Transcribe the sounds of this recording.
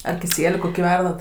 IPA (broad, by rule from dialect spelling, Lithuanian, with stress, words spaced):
ɐr kʲɪˈsʲiɛlʲʊ ˈkoːkʲɪ ˈʋʲɛrdɐt